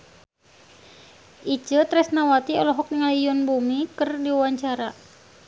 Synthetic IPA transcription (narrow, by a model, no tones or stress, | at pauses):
ʔit͡ʃət̪ɾɛsnawat̪iɔlɔɦɔk̚niŋalijʊnbumikɨrdiwaɲt͡ʃaɾa